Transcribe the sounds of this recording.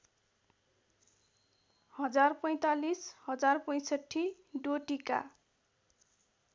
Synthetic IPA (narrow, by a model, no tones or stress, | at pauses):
hʌd͡zarpʌj̃t̪alishʌd͡zarpʌj̃sʌʈʰːi | ɖoʈika̰